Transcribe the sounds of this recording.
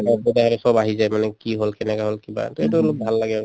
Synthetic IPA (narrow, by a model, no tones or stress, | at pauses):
apod̪aɦalɛsɔbaɦizajmanɛkiɦolkɛnɛkaɦolkiba̰t̪oetuolok̚bʱalːaɡɛ